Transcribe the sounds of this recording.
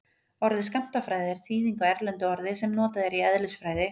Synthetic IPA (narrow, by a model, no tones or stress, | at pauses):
ɔɾðɪskam̥t̪afɾaːjðɪɾ̥θiːðiŋkaɛɾlɛnt̪ʏɔɾðɪsɛmnɔːt̪aðɛɾiɛðlɪsfɾaːjðɪ